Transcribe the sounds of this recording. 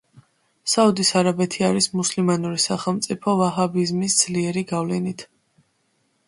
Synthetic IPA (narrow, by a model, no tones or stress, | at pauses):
saud̪isaɾabɛt̪ʰiaɾismuslimanuɾisaχɛlˠmt̪sʼipʰɔvaɦabizmisd̪z̥liɛɾiɡavlɛnit̪ʰ